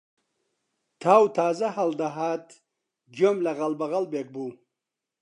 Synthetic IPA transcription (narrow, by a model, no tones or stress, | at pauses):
t̪ʰawt̪ʰaːzahɐld̪aɦat̪ | d͡ʒomlaɣalbɐɣalbek̚bu